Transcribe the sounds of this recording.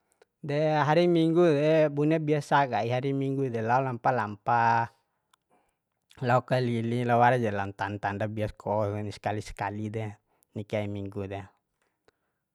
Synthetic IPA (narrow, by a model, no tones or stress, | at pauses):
dɛɦaɾimiŋɡudɛbuniabiasaɡaiɦaɾimiŋɡudɛlaulampalampa | laukalililawaɾad͡ʒɛlant̪ant̪andabiaskʰɔniskalisɛ̥kalidɛ | nikaimiŋɡudɛ